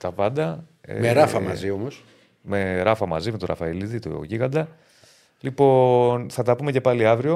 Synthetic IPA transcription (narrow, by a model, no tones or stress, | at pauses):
t̪ɐpɐnd̪ɐḛmeɾɐfɐmɐ̰ziomos | meɾɐfɐmɐzimet̪oɾʔɐ̰fɐiliðit̪o̰ʝiɣɐnd̪ɐ | lipo̞nθɐt̪ɐpume̞ce̞pɐliɐvɾio̞